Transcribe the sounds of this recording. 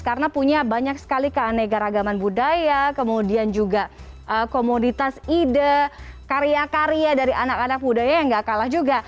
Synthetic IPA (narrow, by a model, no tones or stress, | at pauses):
kaɾənapuɲabaɲaksə̥kalikəanaɡaɾaɡamanbudajakəmudiand͡ʒuɡa | ʔəkomunit̪asidəkaɾiakaɾiadaɾiʔanakanak̚budajajaŋɡakalahd͡ʒuɡa